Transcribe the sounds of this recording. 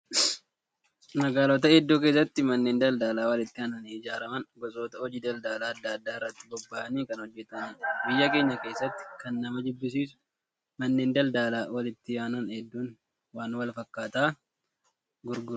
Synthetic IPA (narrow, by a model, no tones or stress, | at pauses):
nɐɡaːloːt̪ɐɛd̪ːoːk̬eːsːɐt̪ːɪmɐnːe̞ːnd̪ɐld̪aːlaːwɐlɪt̪ːɪhɐnɐnɪd͡ʒaːɾɐmɐnɡɔsʼo̞ːt̪ɐɔd͡ʒiːd̪ɐld̪aːlaːɐd̪ːaːɐd̪ːaːɪrːɐt̪ːɪ̥bɔbːaːʔɐniːkɐnhɔd͡ʒːɛt̪ɐmɐnbɪjːɐke̞ːɲːɐke̞ːsːɐt̪ːɪ̥kɐnːɐmɐd̪ʊbːɪs̬iːsʊ̥ | mɐnːe̞ːnd̪ɐld̪aːlaːwɐlɪt̪ːɪjaːnɐnhɛd̪ːuːn | waːnwɐlfɐkːaːt̪aː | ɡʊɾɡʊɾ